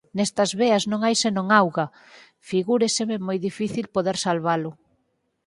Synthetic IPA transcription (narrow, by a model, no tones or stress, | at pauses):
nɛst̪ɐzβeɐznõŋajsɪnõŋawɣɐ | fiɣuɾesememojðifiθilpoðeɾsalβalʊ